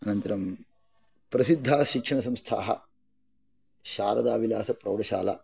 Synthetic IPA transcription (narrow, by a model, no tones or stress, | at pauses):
ɐnɐnt̪ɐɾɐm | pɾɐsid̪ʱːaːʃikʂɐɳɐsɐmst̪ʰa̰ːɦɐ̰ | ʃaːɾɐd̪aːʋilaːsɐpɾɐwɽɐʃa̰ːla̰